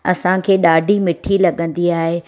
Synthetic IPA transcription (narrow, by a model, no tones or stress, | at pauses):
ɐsãkʰeːɗaːɖʱimɪʈʰilɐɠə̃nd̪iaːɦe